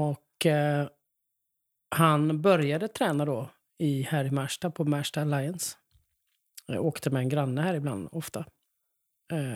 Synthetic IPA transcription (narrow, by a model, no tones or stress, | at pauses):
ɔkː | hanbœɾjad̪ət̪ʰɾɛːnad̪oː | ɪhæɾɪmæʂʈapʰɔmæːʂʈalajəns | oːkt̪ʰəmɛɛnɡɾanːəhæːɾɪbla̰nd̪ɔft̪a